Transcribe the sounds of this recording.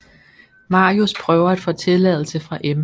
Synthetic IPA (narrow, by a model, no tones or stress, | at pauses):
mɑ̈ːiuspʰʁœʊɐæd̥fɔ̰̽ːt͡sʰe̝lɛð̰ˠl̩səfʁɑ̈ʔem